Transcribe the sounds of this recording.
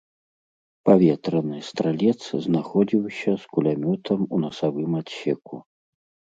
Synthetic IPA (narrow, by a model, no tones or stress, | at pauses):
pavʲɛt̪ɾɐnɨst̪ɾalʲɛt̪sznaxɔd͡zʲiwsʲɐskulʲamʲɔt̪ʰɐmunɐsavɨmat̪ɕʲɛkṵ